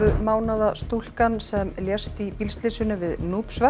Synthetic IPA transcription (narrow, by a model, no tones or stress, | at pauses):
ʏmaːwnaðast̪ul̥kansɛmljɛstt̪ipilst̪lɪsʏnʏvɪðnuːpsva